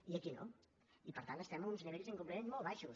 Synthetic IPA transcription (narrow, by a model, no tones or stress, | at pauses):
iəkino̰ | ipəɾt̪ant̪əst̪ɛməmunzniβeʎzəŋkumpləmenzmolˠβaʃus